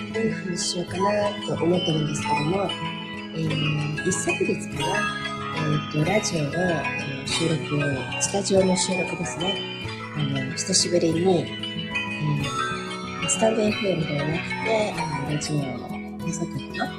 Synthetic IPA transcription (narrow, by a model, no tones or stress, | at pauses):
onahaɲiɕijo̞kanat̪o̞ʔomo̞t̪ːoɾɯ̃nd̪esɨ̥ke̞d̪o̞mo̞ | eisːakiɡit͡sɨ̥kaɾa | et̪ːo̞ɾaʑio̞d̪o | oɕɨːɾo̞kɯ̟ | t͡ɕi̥t̪aʑio̞ːnoɕɯːɾo̞kɯ̟d̪e̞sɨne̞ | anoɕi̥t̪aɕibɯ̟ɾiɲi | si̥t̪ãnd̪eɸeɾɯd̪eβanakɯ̟̥t̪e̞ɾad͡ʑio | esak̪ɯkana